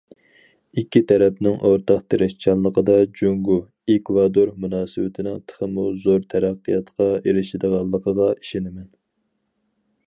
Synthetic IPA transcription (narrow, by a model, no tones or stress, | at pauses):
ikʲːit̪ʰɛɾɛpnɪŋʔoɾt̪ʰɑqt̪ʰeɾɪʃt͡ʃʰɑllˠːəqəd̪ɑd͡ʒuŋɡu | ekvɑd̪oɾmunɑːsɨwɪt̪ʰɪnɪŋt̪ʰə̥χəmuzoɾt̪ʰæɾæqːəjɑt̪qʰɑeɾɪʃɪd̪əʁɑlˠːəqʰəʁɑi̥ʃɪnɪmɛn